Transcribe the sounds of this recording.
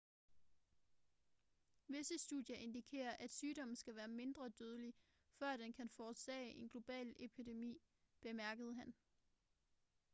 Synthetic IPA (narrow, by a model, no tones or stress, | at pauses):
ʋe̝səsd̥uðˠjɐʔe̝nd̥ikʰe̝̰ːɐʔæd̥syːɾ̥ɒ̽m̰n̩sɡ̥æʋæːɐme̝nd̥ʁɐd̥øð̞ˠəli | fɶɐ̰d̥enkʰænfɒːd̥sɛ̰ːɪʔe̝nɡ̥lo̝b̥ɛ̰ːlepʰid̥e̝mḭː | b̥e̝mæɐɡ̥əð̞ˠɦæn